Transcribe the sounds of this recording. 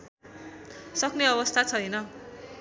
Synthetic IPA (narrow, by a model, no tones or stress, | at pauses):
sʌkneʌbʌst̪ʰat͡sʰʌjnʌ